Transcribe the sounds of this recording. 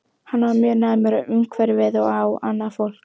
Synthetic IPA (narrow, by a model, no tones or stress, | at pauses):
hanːvaɾmjœɾnaːðmɛɾaʏŋkvɛɾvɪðɔɣawa̰nːafowl̥k